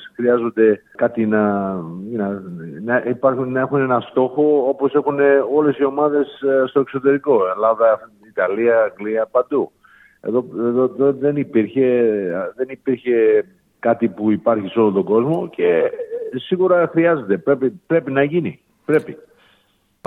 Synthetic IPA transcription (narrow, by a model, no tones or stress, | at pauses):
sxɾiɐzo̞nd̪e̞ | kɐt̪inɐinɐnɐipɐɾunɐe̞xune̞nɐst̪o̞xo̞opo̞se̞xune̞o̞le̞sio̞mɐðe̞sst̪o̞ekso̞t̪e̞ɾiko̞elɐðɐ | it̪ɐliɐːŋɡliɐpɐnd̪u | e̞̰ðo̞eðoðoðe̞nipiɾçe̞ðe̞nipiɾçe̞ | kɐt̪ipuipɐɾçiso̞lont̪o̞ɡo̞zmo̞ce̞siɣuɾɐxɾiɐze̞d̪e̞pɾepipɾe̞pinɐʝini | pɾe̞pi